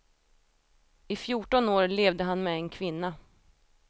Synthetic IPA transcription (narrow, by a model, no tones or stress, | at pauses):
ɪfjuːʈɔnoːɾleːvd̪əɦanmɛɛnkʰvɪnːa